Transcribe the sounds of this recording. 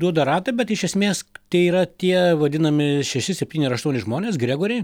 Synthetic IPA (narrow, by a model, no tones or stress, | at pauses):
d̪uɔd̪ɐɾɑːt̪ɐbʲɛt̪ɪʃʲɛsʲmʲeːst̪ɐɪiːɾɐt̪ʲiɛʋɐd̪ʲɪnɐmʲɪʃʲɛʃʲɪsʲɛpʲt̪ʲiːnʲɪɾɐʃt̪uɔnʲɪʒmoːnʲeːsɡɾʲæːɡoːɾʲɛɪ